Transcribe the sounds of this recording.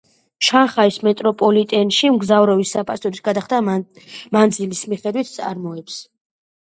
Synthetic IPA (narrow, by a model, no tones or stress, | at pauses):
ʃanχaismɛt̪ʼɾɔpʼɔlit̪ʼɛnʃimɡzavɾɔvisːapʼast̪ɔɾisɡad̪aχd̪a | mand̪zilismiχɛd̪wit̪̚ʰt̪sʼa̰ɾmɔɛps